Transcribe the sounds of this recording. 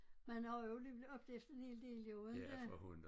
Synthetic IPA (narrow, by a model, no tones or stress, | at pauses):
mænɑjoliʋlɒ̽b̥̚d̥eefd̥ɐenhe̝̰ːld̥e̝̰ːlioðˠnd̥æhun